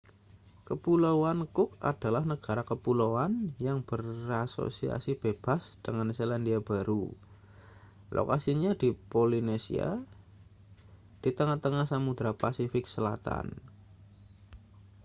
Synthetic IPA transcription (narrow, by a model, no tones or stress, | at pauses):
kəpulawankʊk̚a̰d̥alahnəɡ̥a̤ɾakəpulawanjaŋb̥əraso̰sia̰sib̥eb̥a̤sd̥əŋanselandiabaɾu | lʔo̰kasiɲad̥ipolinesḭa̰ | d̥it̪əŋaht̪əŋahsamud̪ɾapasifɪk̚səla̰t̪a̰n